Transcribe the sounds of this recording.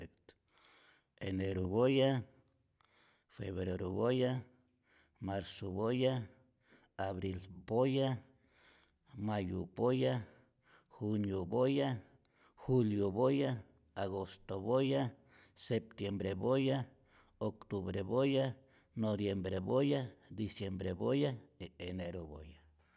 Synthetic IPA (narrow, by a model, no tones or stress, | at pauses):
kt̪ | eneɾuβoja | feβɾeɾoβoja | maɾsoβoja | aβɾilboja | majṵboja | xunjoboja | xuljoβoja | aɣost̪oβoja | sep̚t̪jembɾeβoja | okt̪uβɾeβoja | noβjembɾeβojad̪isjembɾebojaeeneɾoβo̰ja